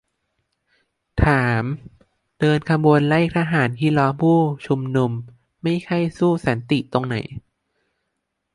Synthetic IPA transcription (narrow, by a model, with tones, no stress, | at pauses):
t̪ʰaː˩˦m | d̥ɤː˧nkʰa˧muː˧ənla˥˩k̚t̪ʰaː˧ɦaː˩˦nkʰiː˥˩lɔː˦˥mpʰuː˥˩t͡ɕʰu˧mnu˧mː | a˥˩jkʰa˥˩jsuː˥˩saː˩˦nt̪i˨˩t̪o˧ŋna̰˨˩˦j